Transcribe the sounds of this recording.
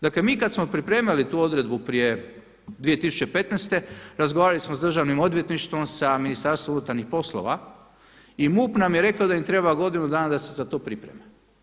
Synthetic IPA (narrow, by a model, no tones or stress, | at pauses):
d̪akle̞miːkad̪smo̞pɾipɾeːmalit̪uːo̞d̪ɾe̞d̪bupɾije̞ | d̪ʋije̞t̪isu̥t͡ɕe̞pe̞t̪nest̪e̞ɾazɡoʋaːɾalismozd̪r̩ʒaʋnimo̞d̪ʋjet̪niʃt̪ʋo̞msaminist̪aɾst̪ʋomunut̪aɾnixpo̞slˠo̰ʋa̰ | imuːpnamjeɾe̞kaod̪aimt̪ɾe̞baɡo̞d̪inud̪aːnad̪ase̞zat̪o̞ːpɾipɾḛme